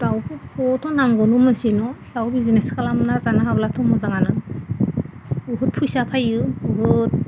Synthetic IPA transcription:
tawbikʰɔtʰɔnaŋɡɔnumɯsinɔdawbizineskʰalamnazanaɦablatʰɔmɔzaŋana | uɦut̚pʰujsapʰajɯuɦɯt̚

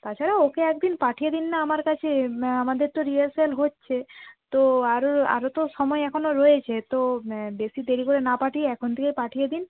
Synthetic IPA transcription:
t̪at͡ɕʰaɾaokeɛkd̪inpaʈʰijed̪inːaamaɾkat͡ɕʰeamad̪eɾt̪oɾialselɦotːɕʰet̪oaɾoa̰ɾot̪oʃɔmɔeɛkʰonoɾɔjet͡ɕʰet̪obesid̪eɾikoɾenapaʈʰieɛkʰont̪ʰekepaʈʰijed̪in

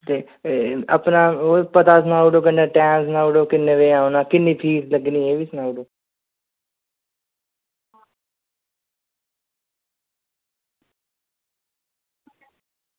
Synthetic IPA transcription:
t̪eː | ə̰pnaːoːpət̪aːsnaːuɖoːk̬ənːeːʈɛ̃ːs̬naːuɖoːkɪnːẽːʋeːãːonaːkɪnːiːpʰiːsləɡniːɦeːʋiːsnaːuɖoː

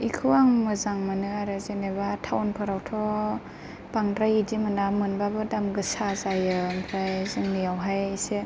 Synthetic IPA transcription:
ikʰɯwaŋmɯzaŋmanɯaɾɯzenebatʰawnpʰɯɾawtʰɔ | b̥aŋɾajidimɯnamɯnbabɯdamɡɯsazajɯmpʰɾajzɯŋnijawɦajse

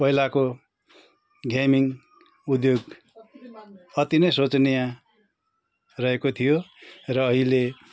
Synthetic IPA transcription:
pʌɦilako | ɡʱamiŋ | ud̪joɡ | ʌt̪inʌjsot͡snijã | rʌekot̪ʰijorʌːɦile

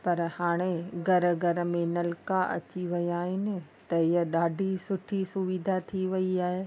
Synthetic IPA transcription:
pɐɾhaːɽ̃eɡɐɾəɡɐɾəmẽnɐlkaʔɐ̰t͡ɕiʋɐijaːɦɪnɪ̆t̪ɐɪəɗaːɖʱisʊʈʰisʊʋid̪ʱat̪ʰiʋɐiaːɦeː

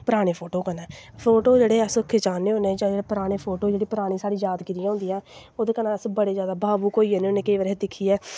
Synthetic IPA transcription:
pəɾaːɽ̃eːpʰoːʈoːkənɛ̃ːpʰoːʈoːd͡ʒeːɽeːəsʊkʰːet͡ʃaːnːeːõned͡ʒãːeːɽeːpɾaːɽ̃eːpʰoːʈoːd͡ʒeːɽiːpəɾaːɽ̃iːsaːɽiːd͡ʒaːd̪kɪɾijãːɦʊnd̪ijãː | oːd̪eːkənãːəsbəɽeːd͡ʒjaːd̪aːbaːbuːkoːiːɛːnĩːnẽːkəiʋəɾɦed̪ɪkʰːiːɛː

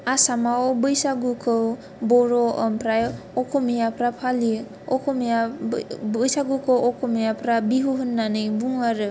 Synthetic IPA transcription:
asamawobɯjsaɡukʰɯw | bɔɾɔəmpʰɾaj | ɔkʰɔmijapʰɾapʰali | ɔkʰɔmija | ɯjsaɡukʰɔwɔkʰɔmijapʰɾabiɦuɦɯnːanɯjbuŋaɾɯ

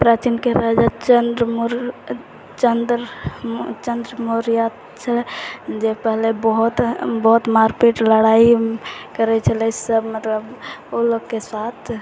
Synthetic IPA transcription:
pɾat͡ʃinkeɾad͡ʒat͡ʃənd̪ɾmɾ | t͡ʃənd̪ɾ | t͡ʃənd̪ɾəmoɾija | t͡ʃʰəld͡ʒepəɦlebəɦut̪bəɦut̪maɾpiʈləɽaikəɾɛt͡ʃʰəlɛsəbmət̪ləboloɡkesat̪ʰ

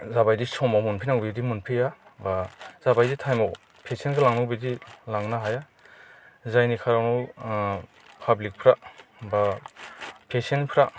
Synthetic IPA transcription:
zabajdisɔmawmunpʰinawbidimunpʰijabaz̥abajditʰajmɔw | pʰesenɡalaŋnɔwbidilaŋnaɦaja | zajnikʰaɾawnɔw | pʰablik̚pʰɾaba | pʰesenpʰɾa

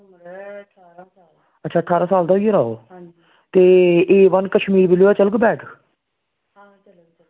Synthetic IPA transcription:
ətːʃʰaːʈʰaːɾaːsaːld̪aːeɾaːo̰ː | t̪eːeːʋənkəʃmiːɾbiloːɛːt͡ʃəlɡbɛːʈ

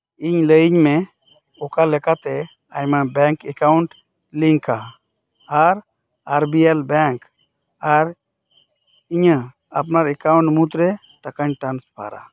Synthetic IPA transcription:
iɲləjiɲmɛ | ɔkalɛkat̪ɛ | ajmabɛŋkɛkawuɳʈ | liŋka | aɾ | aɾbiɛlbɛŋk | aɾ | iɲə | a̰p̬naɾɛkawɳʈmut̪ɾɛ | t̪akaɲʈanspʰa̰ɾa̰

